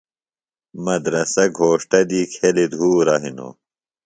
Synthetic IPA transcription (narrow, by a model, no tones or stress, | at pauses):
mɐd̪ɾɐsɐɡʱoːʂʈɐd̪iːkʰelid̪ʱuːɾɐɦino̰